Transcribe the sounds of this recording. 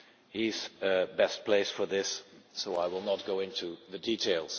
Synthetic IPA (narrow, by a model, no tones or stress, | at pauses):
hizɨbɛst̚pʰl̥eɪsfə˞ðɪsːoʊaɪwɪlˠnət̚ɡ̥oʊɪ̃ntʰuðɨditʰeɪlˠz̥